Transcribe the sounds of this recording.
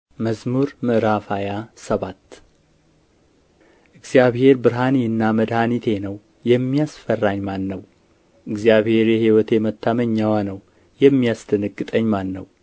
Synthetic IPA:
məzmuɾmɨʔɾafajasəβat̪ː | ʔɨɡz̥jaβhe̞ɾbɨɾɦaniɨnːaməd̪hanit̪ʰe̞nəw | jɛmːijasfərːaɲmanːəw | ʔɨɡzjaβhe̞ɾjɛhiwɔt̪ʰe̞mət̪ʰːaməɲːawanəw | jɛmːijasd̪ɨnɨɡʼːɨt̪ʼəɲːmanːəw

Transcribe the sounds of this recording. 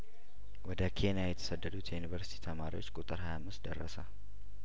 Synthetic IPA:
wɔd̪əkʰe̞njajɛt̪ʰə̥səd̪ːəd̪ut̪ʰjɛjunivəɾsi̥t̪ʰi̥t̪ʰəmaɾiwot͡ʃːkʼut̪ʼɨɾhajamːɨst̪d̪ərːəsə

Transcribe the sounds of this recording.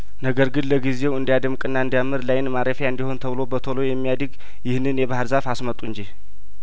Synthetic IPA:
nəɡəɾɡɨnləɡize̞wɨnd̪ijad̪əmkʼɨnːaɨnd̪jamɨɾlajɪnmaɾəfjaɨnd̪iho̞nt̪ʰəβɨlo̞bət̪ʰolojɛmːijad̪ɨɡ | jɪhnːɨnjɛbahɨɾzafasmət̪ʼːuɨɲd͡ʒi

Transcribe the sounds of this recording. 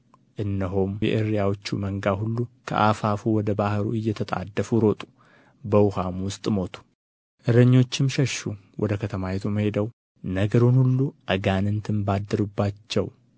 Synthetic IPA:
ʔɨnːəɦomjɛ̰ʔɨɾijawot͡ʃːuməŋɡahulːukʰə̰ʔafafuwɔd̪əbahɾṵɨjːɛt̪ʰət̪ʼa̰d̪ːəfuɾo̞t̪ʼu̥ | bəwʊhamwʊst̪ʼmo̞t̪ʰu̥ | ʔɨɾəɲːo̞t͡ʃːɪmʃɛʃu | wʔɔd̪əkʰət̪ʰəmajɛt̪ʰumhe̞d̪əw | nəɡəɾunhulːuʔaɡanɨnt̪ʰɨmbad̪ːɨɾubːat͡ʃːɛw

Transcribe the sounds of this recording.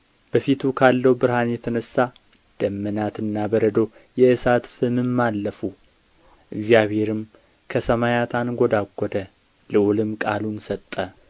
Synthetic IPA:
b̥əfit̪ʰukʰalːəwbɨɾɦanjɛt̪ʰənəsːa | d̪̥əmːənat̪ɨnːabəɾəd̪o̞ | jɛʔɨsat̪fɨmɨmːalːəfu | ʔɨɡzijaβhe̞ɾɨm | kʰəsəmajat̪ʰanɡʷod̪aɡʷːɔd̪ə | lɨʔulɨmkʼalunsət̪ʼːə

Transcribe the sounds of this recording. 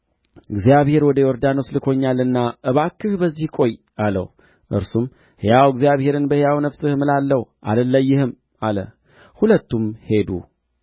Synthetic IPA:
ɨɡzijaβhe̞ɾwɔd̪əjɛwɔɾd̪ano̞slɨkʰo̞ɲːalɨnːaʔɨβakːɨhbəzːihkʷʼo̞j | alə̰w | ʔɨ̰ɾsum | hjawɡzijaβhe̞ɾɨnbəhjawnəfsɨhmɨlalːəhʔa̰ləlːəjːɪhɨm | alə̰ | hulət̪ːumhe̞d̪ṵ

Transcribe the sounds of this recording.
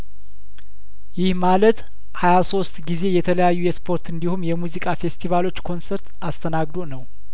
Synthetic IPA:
jɪhmalət̪ | hajaso̞st̪ɡize̞jɛt̪ʰələjajːujɛspʰo̞ɾt̪ɨnd̪ihumjɛmuzikʼafe̞st̪ʰivalo̞t͡ʃːkʰo̞nsəɾt̪ast̪ʰənaɡd̪onəw

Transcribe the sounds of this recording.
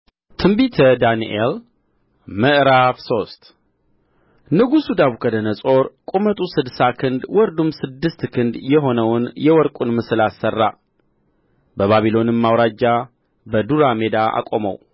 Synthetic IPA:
t̪ʰɨmbit̪ʰəd̪anḭʔel | məʔɾafso̞st̪ | nɨɡusud̪aβukʰəd̪ənəsʼo̞ɾkʼumət̪ʼusɨd̪sakʰɨnd̪wɔɾd̪umsɨd̪ːɨst̪kʰɨnd̪jɛɦo̞nəwnjɛwɔɾkʼunmɨsɨlasːərːa̰ | bəβaβilo̞nɨmːawɾad͡ʒːa | bəd̪uɾame̞d̪aa̰kʼo̞mə̰w

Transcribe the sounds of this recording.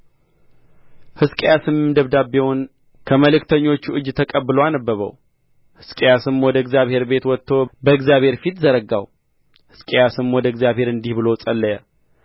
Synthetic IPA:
hɨskʼejasɨmɨmd̪əβd̪abːewɔn | kʰəməlɨkt̪ʰəɲːo̞t͡ʃːuʔɨd͡ʒːt̪ʰəkʼəbːɨloanəbːəβə̰w | hɨskʼejasɨmwɔd̪əɨɡzjaβhe̞ɾbe̞t̪wɔt̪ʰːobəɨɡzjaβhe̞ɾfit̪zəɾəɡa̰w | hɨ̥skʼejasɨmwɔd̪əɨɡzjaβhe̞ɾɨnd̪ihbɨlo̞sʼəlːəjə

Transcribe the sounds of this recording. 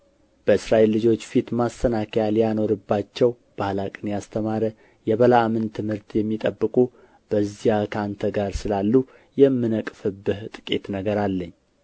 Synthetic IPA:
b̥əɨsɾaʔelːɨd͡ʒo̞t͡ʃːfit̪mast̪ənakʰəjaljano̞ɾɨbːat͡ʃːɛw | b̥ahlakʼɨnjast̪ʰəmaɾə | jɛβəlaːmɨnt̪ʰɨmhɨɾt̪jɛmːit̪ʼəbːɨkʼu | b̥əzijakʰant̪ʰəɡaɾsɨlalːu | jɛmːɨnəkʼfɨbɨht̪ʼɨ̥kʼe̞̰t̪nəɡəɾalːəɲː

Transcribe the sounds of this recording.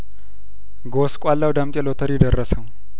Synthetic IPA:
ɡoskʷʼalːawd̪amt̪ʼjɛlot̪ʰəɾjɪd̪ərːəsə

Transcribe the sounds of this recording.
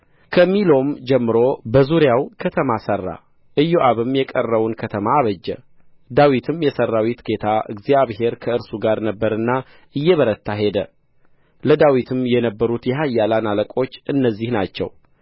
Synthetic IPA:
kʰəmːilo̞md͡ʒɛmːɨɾo̞bəzuɾjawkʰət̪ʰəmasərːa̰ | ʔɨjːoʔaβɨmjɛkʼərːəβunkʰət̪ʰəmaːβəd͡ʒːɛ̰ | d̪awit̪ʰɨmjɛsərːawit̪ɡe̞t̪ʰaʔɨ̰ɡzijaβɦe̞ɾkʰəɨɾsuɡaɾnəbːəɾɨnːa | ʔɨjːɛβəɾət̪ʰːaɦe̞d̪ə̰ | ləd̪awit̪ʰɨmjɛnəbːəɾut̪jɛɦajːalanaləkʼo̞t͡ʃːɨnːəzːihnat͡ʃːɛ̰w

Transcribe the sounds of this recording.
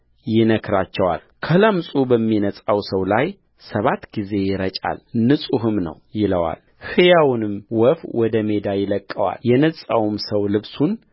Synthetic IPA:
jɪnəkʰɾat͡ʃːɛwa̰l | kʰələmsʼubəmːinəsʼawsəwlaj | səβat̪ːɡize̞jɪɾət͡ʃʼa̰lnɨsʼuɦɨmnə̰wjɪləwa̰l | hɨjawnɨmwɔfwɔd̪əme̞d̪ajɪləkʼːəwa̰ljɛnəsʼawumsəwlɨβsun

